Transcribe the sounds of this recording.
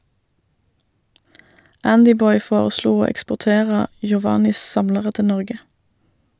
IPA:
ˈændɪˌbɔʏ ˈfoːʁəˌsluː ˈoː ɛkspʊʁˈteːʁə jʊˈʋɑːnɪs ˈsɑmləʁə ˈtɪ ˈnɔʁɡə

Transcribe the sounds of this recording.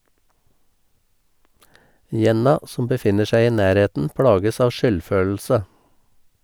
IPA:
ˈjɛnɑ ˈsɔm bəˈfɪnə ˈʃæɪ ˈiː ˈnæːɾˌheːtn̩ ˈpɽɑːɡəs ˈɑːʋ ˈʃʏlˌføːl̩sə

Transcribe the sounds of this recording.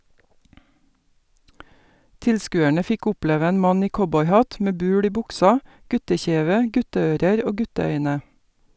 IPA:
ˈtɪlskʉːæɳə ˈfɪk ˈɔpleːʋə ˈeːn ˈmɑn ˈiː ˈkɔbɔʏˌhɑt ˈmeː ˈbʉːl ˈiː ˈbʊksɑ ˈɡʉtəˌçeːʋə ˈɡʉtəˌøːɾəɾ ˈoː ˈɡʉtəˌœʏnə

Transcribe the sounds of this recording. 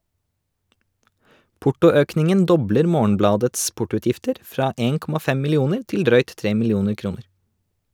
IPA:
ˈpʊʈʊˌøːknɪŋən ˈdɔbləɾ ˈmoːɳ̩ˌblɑːdɛts ˈpʊʈʊˌʉːtjɪftəɾ ˈfɾɑː ˈeːn ˈkɔmɑ ˈfɛ mɪlɪˈuːnəɾ ˈtɪl ˈdɾœʏt ˈtɾeː mɪlɪˈuːnəɾ ˈkɾuːnəɾ

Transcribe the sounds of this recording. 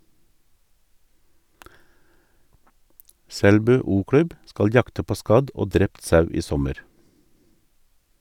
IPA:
ˈsɛlbʉː ˌuːˈkɽʉb ˈskɑl ˈjɑktə ˈpoː ˈskɑd ˈoː ˈdɾɛpt ˈsɑʉ ˈiː ˈsɔməɾ

